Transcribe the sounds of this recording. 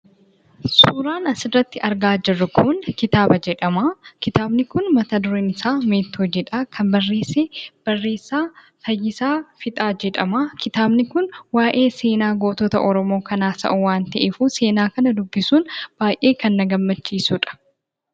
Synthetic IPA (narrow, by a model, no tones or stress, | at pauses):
suːɾaːnɐsɪrɐt̪ːɪʔɐɾɡaːd͡ʒɪrːɐkʰʊnkɪt̪aːbɐd͡ʒɛᶑɐmaːkɪt̪aːbnɪkʊnmɐt̪ɐd̪ʊɾeːnɪsaːme̞ːt̪ʰːoːd͡ʒɛᶑaːkʰɐmbɐrːeːseːb̥ɐrːe̞ːsaː | fɐjːɪsaːfɪt̪ʼaːd͡ʒɛᶑɐmaːkɪt̪aːbnɪkʊnwaːʔe̞ːseːnaːɡoːt̪ɔt̪ɐ̰ʔɔɾɔmo̞ːkɐnaːsɐ̰ʔʊwaːnt̪ɐʔɛfuːse̞ːnaːkɐnɐd̪ʊbːɪsuːnb̥aːjʔe̞ːkɐnːɐɡɐmːɐt͡ʃːiːsuᶑɐ̥